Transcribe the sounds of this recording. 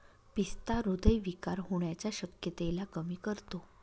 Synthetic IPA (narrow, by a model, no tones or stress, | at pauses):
pist̪aɾod̪əjʋikaɾɦoɳjat͡ɕjaɕəkjət̪elakəmiːkəɾt̪o